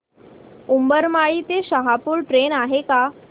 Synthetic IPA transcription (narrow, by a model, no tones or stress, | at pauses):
umbəɾmaɭiːt̪eɕəɦapuːɭʈɾenaɦeka